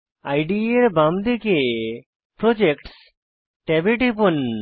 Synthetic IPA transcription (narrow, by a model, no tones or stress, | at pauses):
ajɖieɾbamd̪eke | pɾod͡ʒekʈs | ʈebeʈipun